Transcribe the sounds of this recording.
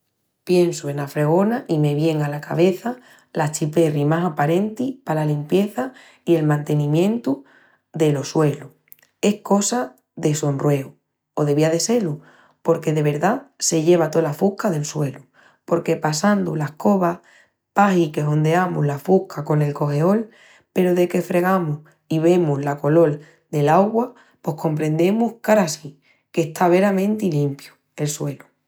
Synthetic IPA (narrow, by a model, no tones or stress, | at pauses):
pje̞nsue̞nafɾe̞ɣo̞naʔime̞βje̞ŋalaka̰β̞e̞θa | lat͡ʃipe̞rimasapaɾe̞nt̪ipalalimpje̞θa | ie̞lmãnt̪e̞nĩmjẽ̞nt̪u | ðe̞lo̞swe̞lu | e̞hko̞sa | ðe̞so̞nrwe̞u | oðe̞β̞iaðe̞se̞lu | po̞ɾke̞ðe̞βe̞ɾðase̞ʎe̞β̞at̪olafuhkaðe̞lswe̞lu | po̞ɾke̞pasand̪ulahko̞βa | pahike̞ɦo̞nd̪eamuɦlafuhkʰako̞ne̞lko̞he̞o̞l | pe̞ɾoðe̞ke̞fɾe̞ɣ̞amuh | iβe̞muzlako̞lo̞l | d̪e̞laɣwa | pwo̞hko̞mpɾẽ̞nd̪e̞muhkaɾasi | ke̞ht̪ʰaβ̞e̞ɾamẽnt̪ilimpjo | e̞lswe̞lu̥